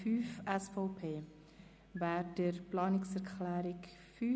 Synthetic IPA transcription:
fyːfɛsfɔʊpʰeː | væːɾdəɾplɑːnɪksɛɾkχlæːɾɪkfyː

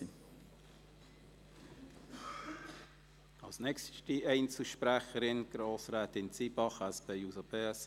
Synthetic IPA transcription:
ɑlsnɛkstiʔɛɪnt͡s̩ʃpɾæχəɾɪnɡ̥ɾoːsɾæːt̪ɪnt͡sibɑχæspeːjusəpeːɛs

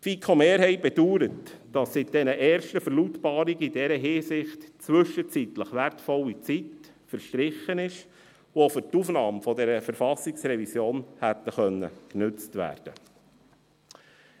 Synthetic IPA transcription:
tfikʰomeːɾhɛɪbɛduːɾətd̥ɑsːit̚d̥ɛnəʔɛːɾʃtəfəɾlutbɑːɾiɡəidɛɾəɦɪːsɪχtt͡sʋʏʃət͡sit̪ləχʋæɾtfɔlːit͡sit | fəɾʃtɾɪχənɪʃ | ʋofʏɾtufnɑːmfɔdɛɾəfəɾfɑsːɪksɾɛvisjoːnhæt̪ːəχœnːə̰knʏt͡stʋæ̰ːɾd̥ə̰

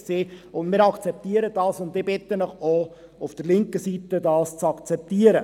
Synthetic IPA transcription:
seːʊnmɪːɾɑkt͡sɛp̚t̪iəɾəd̥ɑːsʊntːɪbɪt̪ənəχo | ufd̥əɾlɪŋkəsitədɑːst͡sɑkt͡sɛp̚t̪iəɾə

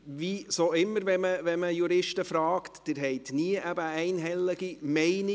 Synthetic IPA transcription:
visoɪmːəɾʋɛməʋɛməjuɾɪʃtəfɾɑːktd̥ɪːɾɦɛɪtniəʔæb̥əɛɪnɦɛlːəɡimɛɪnɪ

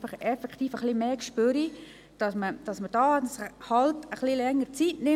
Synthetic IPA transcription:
fɑχɛfɛkχtiːfəχlimeːkʃpøɾi | d̥ɑsməd̥ɑsməd̥ɑːtshɑltəχlilɛŋːəɾt͡sitnɪ

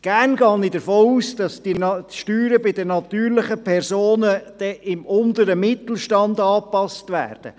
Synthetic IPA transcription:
ɡ̥æɾnɡɑːnidəɾfoːuːsd̥ɑsd̥inʃtyːɾəbɪdənɑt̪yːɾlɪχəpʰɛɾsoːnəd̥ɛʔɪmʊntəɾəmɪt̪l̩ˠʃtɑndɑːpɑstʋæ̰ːrd̥ə̰

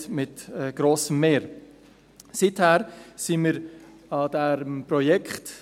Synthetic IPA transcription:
mɪtɛɡ̥ɾoːsəmːeːɾ | sithæːɾsiməɾ | ɑdɛɾəmpɾɔjɛkχt

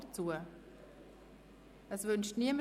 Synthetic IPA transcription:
t͡suːə | ʔəsvʏnʃtniəmə

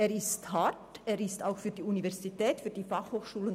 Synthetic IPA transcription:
eːɾɪsthateːɾɪstaʊxfyːɐdiːunivɛɐzitɛːtfyːdiːfaχhoːxʃuːlən

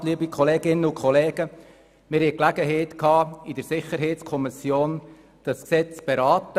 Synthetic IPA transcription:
liːəbikχɔleːɡ̥ɪnːəʊkʰχɔleːɡ̥ə | mɪɾhɛɪklæɡəɦɛɪtkʰɑːɪd̥əɾsɪχəɾɦɛɪtt͡skʰɔmɪsjoːn | d̥ɑsksɛt͡sb̥eɾɑːt̪ə

